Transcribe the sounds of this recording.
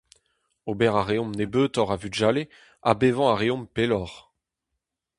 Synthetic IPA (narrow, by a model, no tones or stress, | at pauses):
obɛʁaʁeɔ̃mnebøːt̪ɔʁavyd͡ʒale | a̰bevɑ̃aʁeɔ̃mpelɔʁ